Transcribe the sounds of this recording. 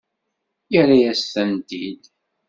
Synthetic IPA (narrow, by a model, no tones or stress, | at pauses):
jəɾajæsθænt̪id̪